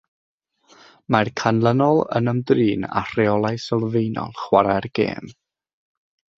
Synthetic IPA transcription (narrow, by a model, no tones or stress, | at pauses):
markʰanlˠənɔlˠə̰nəmdriːna̰r̥ɛɔlˠajsəlˠvejnɔ̰lˠχwaɾɛrɡ̥ḛːm